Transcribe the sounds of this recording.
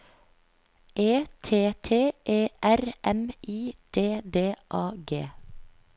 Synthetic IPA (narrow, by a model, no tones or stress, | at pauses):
ʔeːt̪ʰeːt̪ʰeːʔeːʔæɾʔɛmiːd̪̥eːd̪eːʔɑːɡeː